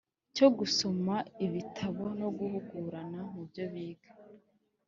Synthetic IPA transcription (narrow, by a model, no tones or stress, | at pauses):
co̞ɡuso̞maiβitʰaβo̞no̞ɡuhuɡuːɾanamubjo̞βiːɡa